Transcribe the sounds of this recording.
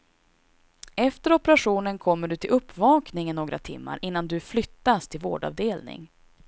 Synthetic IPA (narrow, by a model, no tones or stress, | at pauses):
ɛft̪əɾɔpɛɾaɧuːnənkʰɔmːəɖɵt̪ʰɪlɵpːvɑːknɪŋənnoːɡɾa̰t̪ʰɪ̰mːa̰ɾʔɪnːand̪ɵflʏt̪ːast̪ʰɪlvo̰ːɖɑ̰vd̪eːlnɪ̰ŋ